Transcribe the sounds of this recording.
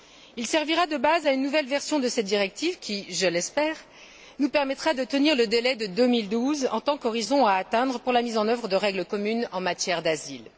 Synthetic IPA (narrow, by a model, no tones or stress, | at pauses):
ilsɛʁviʁad̪əbazaynːuvɛlvɛʁsjɔ̃d̪əsɛt̪̚d̪iʁɛk̚t̪ivkʲiʒəlɛspɛːʁ | nupɛʁmɛt̪χad̪ət̪əniʁləd̪elɛd̪əd̪ømild̪uzɑ̰̃t̪ɑ̃kɔʁizɔ̃aːt̪ɛ̃d̪ʁəpuʁlamizɑ̃nœvʁəd̪əʁɛɡləkɔmynɑ̃mat̪jɛʁd̪azil